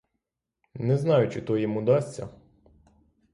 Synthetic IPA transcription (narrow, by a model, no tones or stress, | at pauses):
nɛznɑjʊt͡ʃɪt̪ɔjɪmud̪ɑsʲtʲt͡sʲːɐ̰